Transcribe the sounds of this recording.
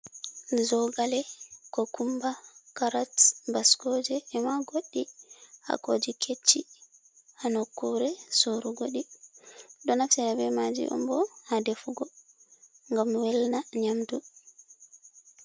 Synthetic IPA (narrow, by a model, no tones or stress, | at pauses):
zɔɡalɛkɔkumbakaɾatbaskɔd͡ʒɛːmaɡoɗːia̰kod͡ʒikʰet͡ʃːi | hanɔkːuɾɛsoɾuɡoɗi | ɗɔnafsɛɾabɛmad͡ʒḭʔɔ̰mbɔhadefuɡɔ | ŋɡamwɛlnaɲamdu